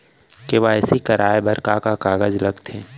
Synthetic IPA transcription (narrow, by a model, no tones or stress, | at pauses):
keʋaɛsikɐɾaːebɐɾkakakaːɡəd͡ʒlɐɡt̪ʰẽː